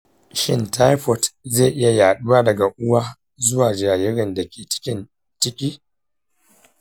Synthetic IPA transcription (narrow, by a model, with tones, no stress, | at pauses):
ʃɪ˦nta˦jɸɔ˨tze˦˨ʔɪ˦ja˨jaː˨ɗʊ˦waː˦dɐ˨ɡa˨ʔʊ˦waː˦ | zʊ˦waː˨d͡ʒaː˨jɪ˦ɽɪ˨nda˨kʲeː˨t͡ʃɪ̥˦kʲɪ˦n | t͡ʃɪ˦kʲiː˦